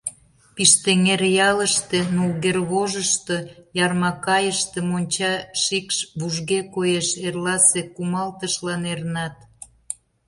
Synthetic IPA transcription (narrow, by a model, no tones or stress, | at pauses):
piʃt̪eŋeɾjɑləʃt̪e̽nulɣerβoʒəʃt̪ojɑrmɑkɑjəʃt̪ĕmonʲt͡ɕɑʃikʃβuʒɣekojeʃerlɑsekumɑlt̪əʃlɑnernɑt̪